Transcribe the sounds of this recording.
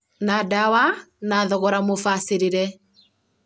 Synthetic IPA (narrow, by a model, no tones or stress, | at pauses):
naːdawanaːðɔɣɔɾamofaseɾeɾɛ